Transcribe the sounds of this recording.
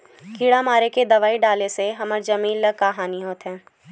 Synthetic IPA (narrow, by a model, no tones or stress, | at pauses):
kiːɽamaːɾeked̪ɐʋaːiɖaːleseɦɐməɾd͡ʒɐmiːnllɐkaːɦaːniɦoːt̪ɦɛ̃ː